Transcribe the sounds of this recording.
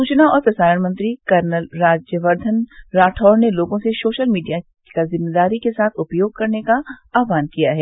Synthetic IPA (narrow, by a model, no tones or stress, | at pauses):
ssuːt͡ʃnaɔːɾpɾɐsaːɾəɳmɐ̃nt̪ɾikɐɾnəlɾaːd͡ʒjəʋɐɾd̪ʱənɾaːʈʰɔːɾneloːɡõseʃoːʃəlmiːɖija | kazɪmːeːd̪aːɾikesaːt̪ʰʊpjoːɡ̚kɐɾnekaaːʋaːnkijaɦɛː